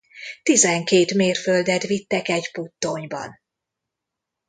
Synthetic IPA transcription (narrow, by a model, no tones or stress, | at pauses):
t̪izɛŋkeːt̪meːrføld̪ɛt̪ʋit̪ːɛkɛɟput̪ːoɲbɒ̰n